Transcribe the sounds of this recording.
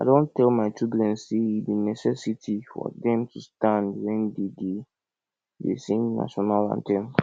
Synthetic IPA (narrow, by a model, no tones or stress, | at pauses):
aɪdõntʰɛlmaɪtɹibulɛ̃nsseibĩnɛsɛsitʰifɔ̰dɛ̃mtʰustãndwɛ̃ndede | dḛsĩŋna̰ʃɔnalã̰ntʰɛ̃n